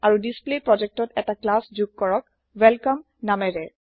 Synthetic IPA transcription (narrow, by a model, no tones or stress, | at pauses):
aɹudisplepɹɔd͡ʒɛk̚tɔtɛtaklasd͡ʒuɡ̚kɔɹɔk̚ | wɛlkɔm | namɛɹɛ